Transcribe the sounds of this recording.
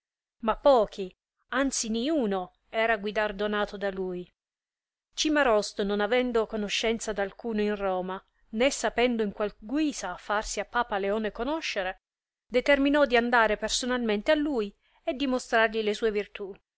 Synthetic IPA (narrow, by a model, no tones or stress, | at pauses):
mapːɔːk̟ʰi | ant̪siniuːno | ɛːɾaɡwid̪ard̪onaːt̪od̪aluːj | t͡ʃimaɾɔst̪ononavɛnd̪okonoʃːɛnt̪sad̪alkuːnoinrɔːma | nesːapɛnd̪oiŋkwalɡwiːsaːfːarsiapːaːpaleoːnekonɔʃːeɾe | d̪et̪erminɔd̪iand̪aːɾepersonalment̪ealːuːj | ed̪ːimost̪ɾarʎilesuːevirt̪u